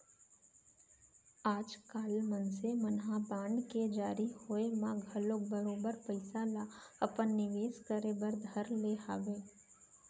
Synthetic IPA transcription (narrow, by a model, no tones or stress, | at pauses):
aːd͡ʒkaːlmənsemənɦabãːɳɖked͡ʒaːɾihoːemãɡʱɐlok̚bəɾoːbəɾpəɪsalaɐpənːɪʋeːskəɾebəɾd̪ʱəɾleːɦaːʋeː